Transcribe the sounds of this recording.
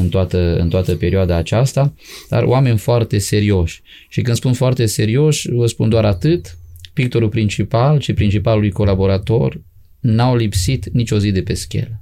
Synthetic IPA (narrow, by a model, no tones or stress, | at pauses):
ɨnt̪oat̪əɨ̰nt̪oat̪əpe̞ɾioad̪aːt͡ʃast̪ad̪̥a̰ro̰ame̞nʲfoart̪e̞se̞ɾio̞ʃʲ | ʃikɨnspunfoart̪e̞se̞ɾio̞ʃʲvəspund̪oaɾat̪ɨt̪pik̚t̪o̞ɾulpɾint͡ʃipalʃipɾint͡ʃipalulujko̞labo̞ɾat̪o̞r | nawlipsit̪nit͡ʃʲo̞zid̪e̞pe̞skʲe̞̰l